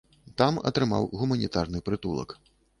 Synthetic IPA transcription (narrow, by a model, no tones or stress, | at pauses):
t̪amɐ̰t̪ɾɨma̰wɣumɐnʲit̪arnɨpɾɨt̪ulˠɐ̰k